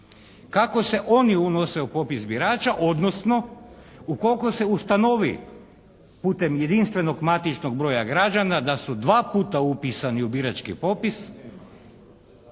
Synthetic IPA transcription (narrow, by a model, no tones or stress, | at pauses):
kako̞se̞ʔo̞niunose̞upo̞pisbiɾaːt͡ʃaʔo̞d̪no̞sno̞uko̞lkose̞ust̪ano̞ʋḭ | puːt̪e̞mje̞d̪inst̪ʋe̞no̞ɡmat̪it͡ʃno̞ɡ̚bɾo̞ːjaɡɾad͡ʒanad̪asud̪ʋaːpuːt̪aupisaniubiɾat͡ʃkḭpo̞pis